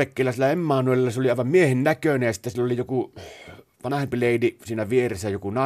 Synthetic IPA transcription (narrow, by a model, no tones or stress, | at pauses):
ekːeːˑlːæsilːæemːɑːnuelelːɑseoliɑˑeʋɑmmiehennækønæjɑsi̥t̪ːæsilːolijoku | ʋɑnɑhempileˑidisiːnæʋieresːæjokunɑ